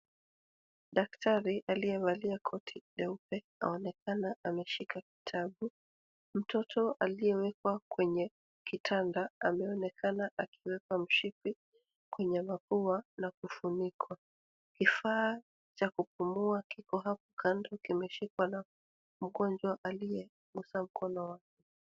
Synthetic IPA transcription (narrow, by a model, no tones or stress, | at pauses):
ɗaktʰaɾiʔalijɛβaliakʰɔtʰiɗɛupɛ | a̰ɔnɛkanaʔamɛʃikaki̥tʰaɓu | m̩tɔtʰɔalijɛwɛkwakwɛɲɛ | kitʰandaamɛɔnɛkʰanaʔakiwɛkwam̩ʃipi | kwɛɲɛmapuanakufunikʰwa | kifaː | t͡ʃakup̚umuakikɔɦap̚ɔ̥kʰandɔkimɛʃikwana | m̩ɠɔnd͡ʒwaʔaliɛ | ɡusam̩kʰɔnɔwakɛ